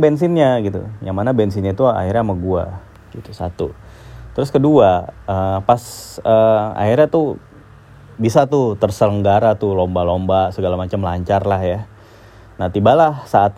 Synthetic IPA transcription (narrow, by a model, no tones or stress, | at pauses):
bɛns̬ɪnɲaɡit̪ṵjaŋmanabɛnsɪnɲat̪ua̰irɲamaɡua̰ | ɡ̥it̪u̥sa̰t̪u | t̪ɾʊskəduaəpasəa̰irɲat̪u | bisat̪ut̪ərsələŋɡaɾat̪ulombalombasəɡalamat͡ʃamlaɲt͡ʃarlahja | nat̪ibalahsaːt̪̚